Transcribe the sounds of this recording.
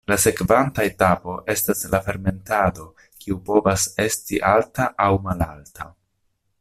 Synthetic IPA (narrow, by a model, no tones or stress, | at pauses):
lase̞kvantaetapo̞ʔe̞staslafe̞ɾme̞ntado̞ | kiupo̞vase̞stiʔaltaʔawmalaltʰa